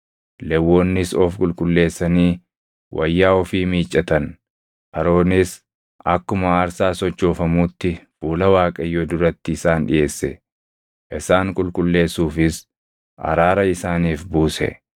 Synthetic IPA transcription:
lɛwːo̞ːnːɪsɔfkʼʊlkʼʊlːe̞ːsːɐniː | wʔɐjːaːɔfiːmiːt͡ʃʼːɐt̪ɐn | ʔɐɾo̞ːnɪs | ʔɐkːʊmɐaːɾsaːsɔt͡ʃːo̞ːfɐmuːt̪ːɪfuːlɐwaːkʼɐjod̪ʊɾɐt̪ːɪɪsaːnᶑɪ̰jʔe̞ːsːɛ | ʔɪsaːŋkʼʊlkʼʊlːe̞ːsːuːfɪs | ʔɐ̰ɾaːɾɐɪsaːniːfbuːsɛ̰

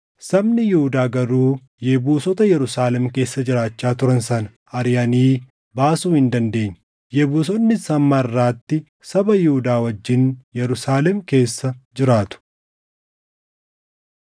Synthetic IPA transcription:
sɐbnɪjɪhʊd̪aːɡɐɾuː | jɛbuːsɔt̪ɐjɛɾʊsaːlɛmke̞ːsːɐd͡ʒɪɾaːt͡ʃːaːt̪ʊɾɐnsɐnɐ | ɐɾjɐniː | baːsuːhɪnd̪ɐnd̪e̞ːɲːɐ | jɛbuːs̬ɔnːɪsɐmːɐrːaːt̪ːɪ | sɐbɐjɪhʊd̪aːwɐd͡ʒːɪnjɛɾʊsaːlɛmke̞ːsːɐd͡ʒɪɾaːt̪ʊ̥

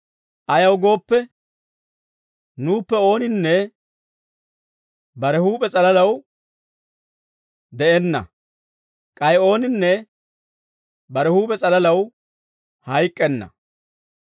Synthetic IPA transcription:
ʔɐjɐwɡo̞ːpːɛ | nuːpːɛo̞ːnɪnːɛ | bɐɾɛhuːpʼɛt͡sʼɐlɐlɐw | d̪ɛʔɛnːɐ̰ | kʼɐjo̞ːnɪnːɛ | bɐɾɛhuːpʼɛt͡sʼɐlɐlɐw | hɐjkʼːɛnːɐ̰

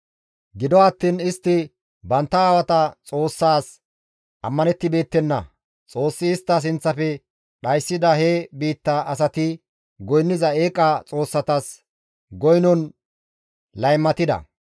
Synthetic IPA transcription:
ɡɪd̪ɔɐt̪ːiːnɪst̪ːɪ | bɐnt̪ːɐaːwɐt̪ɐt͡sʼo̞ːsːaːs | ʔɐmːɐnɛt̪ːɪbe̞ːt̪ːɛnːɐ̰ | t͡sʼo̞ːsːɪːst̪ːɐs̬ɪnt͡sːɐfɛ | ɗɐjsːɪd̪ɐhebiːt̪ːɐɐs̬ɐt̪ɪ | ɡɔjnːɪzɐe̞ːkʼːɐt͡sʼo̞ːsːɐt̪ɐs | ɡɔjnɔn | lɐjmːɐt̪ɪd̪ɐ̰

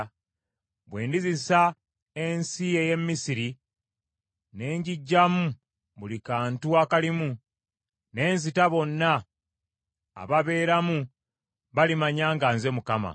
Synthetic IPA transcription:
bwe̞ːndizisa | e̞nsijeje̞mːisiɾi | ne̞ːɲɟiɟːamu | βulikaːntuakalimu | ne̞ːnz̬itaβo̞nːa | βaβe̞ːɾamu | βalimaɲaːŋɡanze̞mukama̰

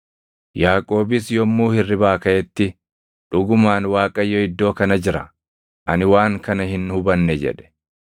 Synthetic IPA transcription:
jaːkʼo̞ːbɪsjɔmːuːhɪrːɪbaːkɐʔɛt̪ːɪ | ᶑʊɡʊmaːnwaːkʼɐjːɔɪd̪ːo̞ːkɐnɐd͡ʒɪɾɐ | ʔɐ̰nɪwaːŋkɐnɐhɪnhʊbɐnːɛd͡ʒɛ̰ᶑɛ̥

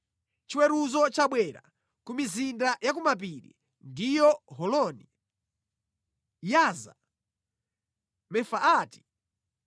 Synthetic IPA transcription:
t͡ʃiwɛɾuzɔt͡ʃaɓwɛɾa̰ | kumizindajakumap̬iɾḭ | ndijɔɦɔlɔːni | jaːza̰ | mɛfaaːti̥

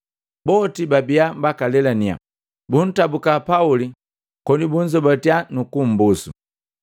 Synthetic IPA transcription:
bɔtibabiambakalɛlania̰ | bun̩tabukapauli | kɔnibun̩d͡ʒɔbatianukum̩busṵ

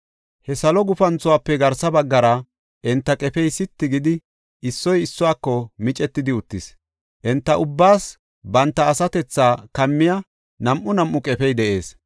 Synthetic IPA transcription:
hɛsɐlɔɡʊfɐnt͡sʊwaːpːɛɡɐɾsɐbɐɡːɐɾɐ | ʔɛnt̪ːɐkʼɛfɛjsɪt̪ːɪɡɪd̪ɪ | ʔɪsːɔjɪsːɔwaːkːɔmɪt͡ʃʼɛt̪ːɪd̪ɪʊt̪ːɪs | ʔɛnt̪ːɐʔʊbːaːs | bɐnt̪ːɐːsɐt̪ɛt͡sːaːkɐmːɪjɐ | nɐmʔʊnɐmʔːʊkʼɛfɛjd̪ɛʔe̞ːs

